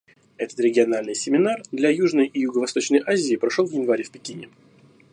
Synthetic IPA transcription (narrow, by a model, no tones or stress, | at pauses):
ɛt̪ə̥t̪ɾʲɪɡʲɪɐnalʲnɨjsʲɪmʲɪnard̪lʲɐjuʐnəjijʊɡəvɐst̪o̞t͡ɕnəjʔazʲɪɪpɾɐʂolˠvjʲɪnvaɾʲɪfpʲɪkʲinʲɪ